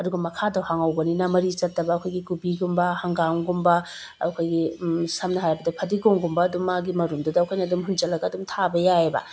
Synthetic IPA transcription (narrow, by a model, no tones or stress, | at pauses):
ɐduɡɐmɐkʰadɐwhaŋɐwbɐninɐmɐɾit͡ʃɐtːɐbɐːkʰojɡikubiɡumbɐhɐŋɡaŋɡumbɐ | kʰojɡisɐmnɐɦajbɐdɐpʰɐdiɡoŋɡumbɐːdumːaɡimɐɾumdudɐkʰojnɐɐdumɦund͡ʒɐlɐɡɐːdumtʰabɐjaebɐ̰